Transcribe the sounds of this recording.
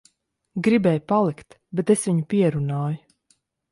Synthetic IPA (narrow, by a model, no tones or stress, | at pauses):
ɡɾibɛːjupalˠikt̪ | bet̪esʋiɲupiɛɾunaːju